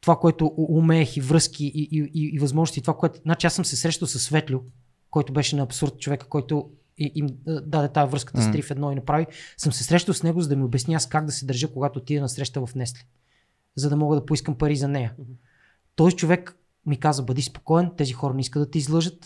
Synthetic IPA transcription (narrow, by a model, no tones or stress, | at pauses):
t̪ovakoɛt̪ʊʔːmɛːxivɾɤsk̟iʔiʔiiːvɐzmɔʒnʊst̪it̪ovakoɛt̪znat͡ʃiasɤmsɛsɾɛʃt̪əlˠsɐsːvɛt̪lʲʊ | kɔjt̪ʊbɛʃɛnɐːpsuɾt̪̚t͡ʃovɛkə̥kɔjt̪ʊ | iʔimd̪ad̪ɛt̪aɛvɾɤskə̥t̪əst̪ɾifɛd̪nɔinɐpɾavisɤmsɛsɾɛʃt̪əlwsnɛɡʊzɐd̪ɐmiobɛsniaskaɡd̪ɐsɛd̪ɐɾʒɤkoɡat̪ot̪iɛnɐsɾɛʃt̪əvɐfnɛslʲɛ̥ | zɐd̪ɐmɔɡəd̪ɐpoiskəmpɐɾizɐnɛjə | t̪ɔzit͡ʃovɛk | mikazəbɐd̪ispo̥kɔɛnt̪ɛzixɔɾənɛiskəd̪ɐt̪ɛizlˠɤʒət̪